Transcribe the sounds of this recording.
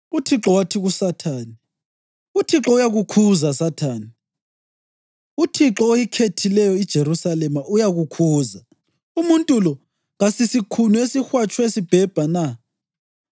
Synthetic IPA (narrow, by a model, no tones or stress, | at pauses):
utʰiǁɔwatʰiɣusatʰaːni | utʰiǁɔujaɣukʰuzasatʰaːni | utʰiǁɔojikʰetʰilɛjɔid̥ʒ̥ʱeɾusalɛmaʔujaɣukʰuːza | umuntʼulɔ | ŋasisikʰunuesixwat͡ʃʰʼwesib̥ʱɛb̥ʱana